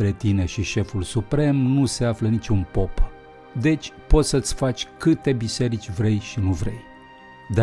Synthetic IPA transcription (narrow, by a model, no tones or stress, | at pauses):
ɾe̞t̪ine̞ʃiʃe̞fulsupɾe̞mnuse̞aflənit͡ʃʲunpo̞p | d̪e̞t͡ʃʲpo̞t̪sət̪sʲfat͡ʃʲkɨt̪e̞bise̞ɾit͡ʃʲvɾe̞jʃinuvɾe̞̰j | d̪a